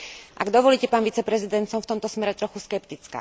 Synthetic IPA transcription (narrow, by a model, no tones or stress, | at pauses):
ʔaɡd̪ɔʋɔliːcɛpaːnʋit͡sɛpɾɛzid̪ɛnt̪sɔmft̪ɔmt̪ɔsmɛɾɛt̪ɾɔxuskɛpt̪it͡ska̰ː